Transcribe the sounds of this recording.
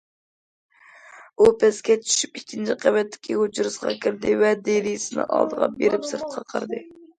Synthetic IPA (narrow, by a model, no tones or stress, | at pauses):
upʰɛskʲɛt͡ʃʰy̥ʃy̥pikʲʰːint͡ʃʰɪqʰæwɛt̪ʰːɪ̥kʲʰihod͡ʒuɾɨsqɑ̰kʲʰiɾd̪ɪvɛd̪elijsɪnɨ̰ŋʔɑ̰lˠd̪əʁɑ̰beɾɪpsɨɾt̪̚qʰɑqʰəɾd̪ɨ